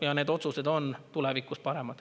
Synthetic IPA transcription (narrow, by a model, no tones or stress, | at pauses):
jɑne̞ːd̪o̞t̪suse̞d̪o̞nt̪ulevikːˑuspɑɾe̞mɑd̪̥